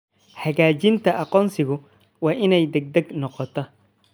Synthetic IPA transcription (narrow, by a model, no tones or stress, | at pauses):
ħɐɣaːt͡ʃɪnt̪ʰɐʔɐqɔːnsɪɣʊ | wɑːʔɪnɛjd̪ɛɡ̚d̪ɛɡnɔqɔt̪ʰɔ